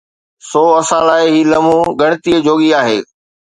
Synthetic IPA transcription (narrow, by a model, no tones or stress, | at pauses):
soːɐsãːlaːɪɦiːlɐmũːɡɐɽ̃t̪ied͡ʑoːɠiaːɦḛː